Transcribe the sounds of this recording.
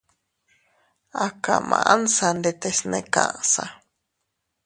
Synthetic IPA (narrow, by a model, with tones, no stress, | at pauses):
a˨ka˨mã̰˧ʔa˦nsa˧nd̪et̪esnẽ˧kã˧ʔsa˧